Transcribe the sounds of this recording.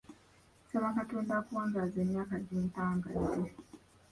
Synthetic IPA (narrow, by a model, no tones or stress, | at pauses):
soβaŋkatuːndakuwaːɲɡazeːmjaːkaɟintaːŋɡazi